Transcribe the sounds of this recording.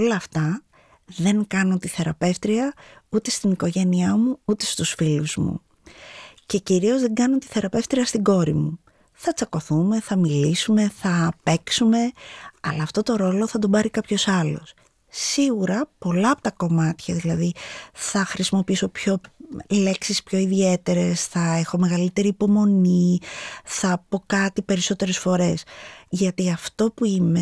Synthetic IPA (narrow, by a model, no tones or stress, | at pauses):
olɐːft̪ɐ | ðe̞ŋkɐno̞t̪iθe̞ɾɐpe̞ft̪ɾiɐut̪e̞st̪iniko̞ʝe̞niɐmuut̪e̞st̪usfiluzmṵ | ce̞ciɾio̞zðe̞ɡɐnot̪i̥θe̞ɾɐpe̞ft̪ɾiɐst̪iɡo̞ɾimu | θɐt͡sɐko̞θume̞θɐmilisume̞θɐpe̞ksume̞ɐlɐːft̪o̞t̪o̞ɾo̞lo̞θɐd̪obɐɾikɐpço̞sɐlo̞̰s | siɣuɾɐpo̞lɐɐpot̪ɐko̞mɐt̪çɐðilɐðiθɐxɾisimo̞piiso̞pço̞le̞ksispço̞iðie̞t̪e̞ɾe̞sθɐe̞xo̞me̞ɣɐlit̪e̞ɾiːpo̞mo̞ni | θɐpo̞kɐt̪ipe̞ɾiso̞t̪e̞ɾe̞sfo̞ɾe̞sʝɐt̪iɐft̪o̞puime̞